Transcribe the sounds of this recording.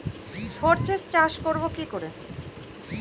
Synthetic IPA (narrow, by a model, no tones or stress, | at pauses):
foɾt͡ɕeɾt͡ɕaʃkoɾbokikoɾe